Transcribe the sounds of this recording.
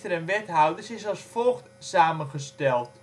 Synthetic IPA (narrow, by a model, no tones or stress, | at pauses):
təɾɛnʋɛtɦawdəsɪsɑlˠsfolˠxtsaːmənχəstɛlˠt